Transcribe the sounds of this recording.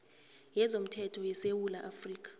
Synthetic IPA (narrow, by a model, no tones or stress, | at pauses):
jɛzom̩tʰɛtʰɔjɛsewulaʔafriːk̬ʼḁ